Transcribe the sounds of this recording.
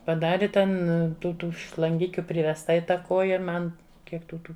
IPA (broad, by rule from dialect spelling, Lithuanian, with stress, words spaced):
pɐˈdɑːrʲɪ ˈtʲɛn tuː ˈtuː ʃlˠɐŋʲˈɡʲɪkʲʊ pʲrʲɪʋʲɛsˈtɐ ɪ ˈtɑː ˈkoːjɛ ˈmɐn ˈkʲiɛk tuː ˈtuː